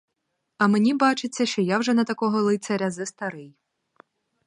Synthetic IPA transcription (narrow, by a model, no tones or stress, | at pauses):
ɐmenʲibɑt͡ʃɪt͡sʲːɐʃt͡ʃɔjawʒɛnɐt̪ɐkɔɦɔlˠɪt̪sʲɐɾʲɐzɐst̪ɐɾɪj